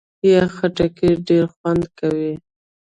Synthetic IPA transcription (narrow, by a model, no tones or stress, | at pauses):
jaxaʈakeɖeɾxwand̪kawi